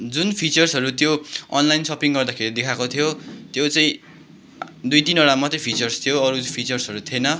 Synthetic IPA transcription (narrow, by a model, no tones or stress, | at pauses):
d͡zunpʰit͡sʌrsɦʌɾut̪joʌ̰nlajnsʌpiŋɡʌrd̪akʰeɾid̪ekʰakot̪ʰijot̪jot͡saĩ | d̪ujt̪inʌɽamʌt̪epʰit͡sʌrst̪ʰijoʌɾupʰit͡sʌrsʌɾut̪ʰienʌ